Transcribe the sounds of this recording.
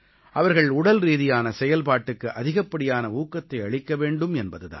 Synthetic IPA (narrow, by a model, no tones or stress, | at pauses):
ʔɐʋɐɾɣɐɭʊɽɐlɾiːðɪjaːnɐsɛjɐlpaːʈːɯkːɯʔɐðɪɣɐpːɐɽɪjaːnɐuːkːɐt̪ːɐɪɐɭɪkːɐʋeːɳɖɯmɛnbɐðɯða̰ːn